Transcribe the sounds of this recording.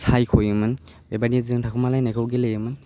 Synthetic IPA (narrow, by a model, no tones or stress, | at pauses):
sʰajkʰojɯmɯn | bɛbaniɛzɯŋtʰakʰumalajnakʰɯwɡelejɯmɯn